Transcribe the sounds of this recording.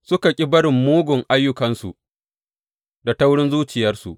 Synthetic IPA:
sʊ˦ka˨kʲʼɪ˦bɐ˦ɽɪ˨mːuː˦ɡʷʊ˨ŋʔa˦jːʊ˦kɐ˨nsu˨ʔ | da˨ta˦wɽɪ˦nzuː˦t͡ʃɪ˨jɐ˦rsṵ˨ʔ

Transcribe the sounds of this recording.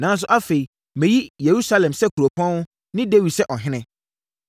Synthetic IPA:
nã˨˦n˦s̬ʊ˦ʔa˦fe˨i˨ | mẽ˨ji˦je˨ɾu˦sa˦lɛ̃˨msɛ˦kʰu˨ɾo˨pʰɔ̃˦nʊ˦ | nɪ̃˦de˦wi̥˨sɛ˦ʔɔ˨ɦɪ̃˦nɪ̃˦

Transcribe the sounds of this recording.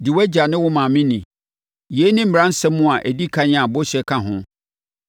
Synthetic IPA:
dɪ˨wæ˦d͡ʑa˨nɪ̃˦wʊ˦mã˨mĩ˦nĩ˨ | je˦nɪ̃˦m̩˨ã˦n̩˦sɛ̃˦mːʊ̃˦a˨ʔæ˨di˦kʰa˦ɲɪ̃˦a˨bʊ˦ɕɛ˨˦kʰã˨ɦʊ̃˦

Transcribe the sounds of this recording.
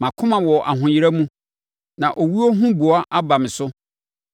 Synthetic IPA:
mã˨kʰʊ̃˦mã˨wɔ˨ʔa̰˨ɦʊ̃˨jɪ˦ɾa˦mũ˦ | nã˨ʔo˨wi˦o˦ɦũ˦bu˨a˦ʔa˦ba˨mɪ̃˨sʊ˦

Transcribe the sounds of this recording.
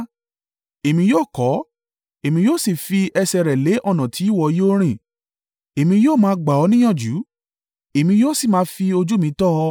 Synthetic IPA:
e˨mĩ˧˦joː˦˨kɔ˨˦ | e˨mĩ˧joː˦˨si˦˨fi˧ɛ˧sɛ˨ɾɛ˨le˨˦ʔɔ˦˨nã˨tʰi˨˦i˦˨wɔ˦˨˦jo˦ɾ̃ĩ˦˨ | e˨mĩ˧joː˦˨mãː˧˦ɡ͡ba˨ɔ˧˦nĩ˦j̃ã˦˨d͡ʒu˨˦ | e˨mĩ˧˦joː˦˨si˦˨mãː˨˦fi˧o˧d͡ʒu˦mĩ˧˦tɔ˦˧

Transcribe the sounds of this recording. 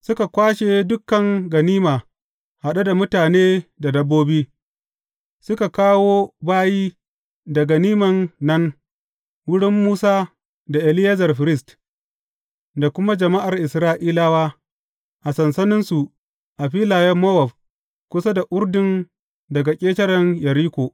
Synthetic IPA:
sʊ˦ka˨kʷaː˦ʃeː˨dʊ˦kːɐ˨ŋɡɐ˨niː˦maː˨ | ha˨ɗa˦da˨mʊ˦taː˨neː˦da˨dɐ˦bːoː˦biː˦ | sʊ˦ka˨kaː˦woː˦baː˦jiː˦ | dɐ˨ɡa˨niː˦mɐ˨nːɐ˦n | wʊ˦ɽɪ˦mːuː˦saː˦ | da˨ʔɪ˨lɪ˦ja˦zɐ˨rɸɪ˨ɾɪ˦˨st | da˨kʷʊ˦ma˦d͡ʒɐ˨ma˦ʔa˨rʔɪ˨sɾaː˦ʔiː˦laː˦waː˦ | ʔa˨sɐ˨nsɐ˦nɪ˦nsu˨ | ʔa˨ɸiː˦laː˨jɐ˦mːɐ˦wɐ˨b | kʷʊ˦sa˦da˨ʔʊ˦rdɪ˨n | dɐ˨ɡa˨kʲʼeː˦tɐ˦ɽɐ˦njɐ˨ɾiː˦kʷoː˨ʔ

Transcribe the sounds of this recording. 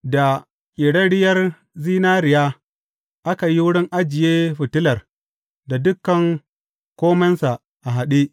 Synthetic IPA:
da˨ | kʲʼɪ˨ɽɐ˦ɽɪ˦jɐ˦r | ziː˦naː˦ɾɪ˨jaː˦ | ʔa˦ka˨ji˦wʊ˦ɽɪ˦ŋʔa˦d͡ʒɪ˨jeː˦ɸʊ˨tɪ˦lɐ˨r | da˨dʊ˦kːɐ˨ŋ | kʷoː˦mɐ˦nsa˨ | ʔa˨ɦa˨ɗi˦ʔ

